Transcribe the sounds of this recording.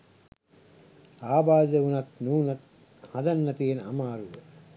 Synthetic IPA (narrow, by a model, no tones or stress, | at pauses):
aːbaːd̪eunɐt̪nuːnɐt̪̚ | hɐd̪ɐnːɐt̪ienamaːɾuʋə